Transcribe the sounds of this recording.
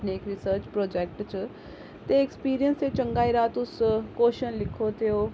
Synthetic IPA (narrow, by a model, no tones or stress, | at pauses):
neːkɾisəɾt͡ʃpɾoːd͡ʒeːk̚ʈt͡ʃ | t̪eːkspiːɾijənset͡ʃəŋɡaːiɾaːt̪ʊskoːʃənlɪkʰot̪ʰijoː